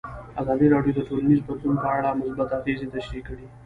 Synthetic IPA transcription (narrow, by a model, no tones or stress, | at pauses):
azɑd̪iɾɑɖjod̪əʈolanizbat̪lunpəaɽamʊsbat̪afezet̪aʃɾikːəɽi